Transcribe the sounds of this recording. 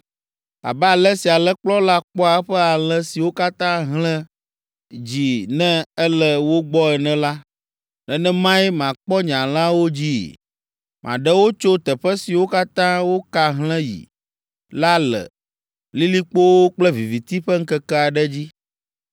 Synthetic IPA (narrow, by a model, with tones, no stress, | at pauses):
a̰˨bɛ˦a˨lɛ˦si˨a˨lɛ˦k͡plɔ˦la˦k͡pɔ˦a˨˦ɸɛ˦a˨lɛ̃˦si˨wo˦ka˦t̪ã˦ɦlɛ̃˦ | d͡ʑi˨nɛ̃˦ɛ˦lɛ˦wo˦ɡ͡bɔ˦ɛ˨nɛ̃˦la˦ | nɛ̃˨nɛ̃˦mã˦i˦mã˨k͡pɔ˦ɲã˨l̃ã˦wo˦d͡ʑi˦ | mʔã̰˨ɖɛ˦wo˦t͡ʃo˦t̪ɛ˨ɸɛ˦si˨wo˦ka˦t̪ã˦wo˦ka˦ɦlɛ̃˦jḭ˨ | la˦lɛ̰˨ | li˦li˦k͡po˦wo˦k͡plɛ˦vi˨vi˨t̪i˦ɸɛ˦ŋ̩˦kɛ˦kɛ˦a˨ɖɛ˦d͡ʑi˦